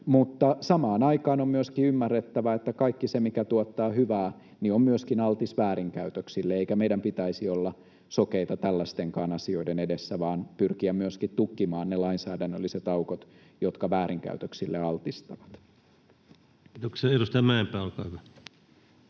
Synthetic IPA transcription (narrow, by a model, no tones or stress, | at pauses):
mut̪ːɑsɑmɑːnɑikɑːnommyøskiymːærːet̪ːæʋæet̪ːækɑikːisemikæt̪uot̪ːɑːhyʋæː | niommyøskinɑlt̪isʋæːɾiŋkæyt̪øksilːeeikæmeidæmpit̪æisiolːɑ | sokeit̪ɑt̪ælːæst̪eŋkɑːnɑsio̞idenedesːæʋɑːnpyrkiæmmyøskit̪t̪ukːimɑːnnelɑinsæːdænːølːiset̪ɑukot̪ | jot̪kɑʋæːɾiŋkæ̰yt̪øksilːeɑlt̪ist̪ɑʋɑt̪ | kiːt̪oksiɑeɾust̪ɑmæempæːolkɑːhyʋæ